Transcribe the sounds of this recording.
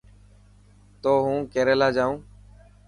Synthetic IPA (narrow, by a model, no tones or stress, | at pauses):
t̪oːɦũːkeːɾeːlaːd͡ʒaːũː